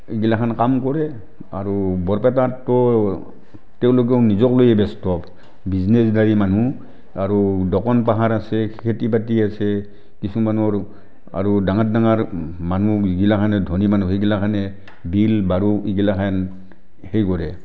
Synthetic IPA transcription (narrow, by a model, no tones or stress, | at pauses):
iɡilakʰankamkɔɹɛ | aɹubɔɹpɛtatːɔ | tɛʊ̃lok̬ɛʊnizɔklojɛbɛstɔp | biznesdaɹimanu | aɹudɔkɔnpaɦaɹasɛkʰetipatiasɛ | kisumanɔɹ | a̰ɹudaŋat̚daŋaɹmanuiɡilakʰanɛdʱonimanuxeɡilakʰanɛ | bilbaɹuiɡilakʰan | hejkɔɹɛ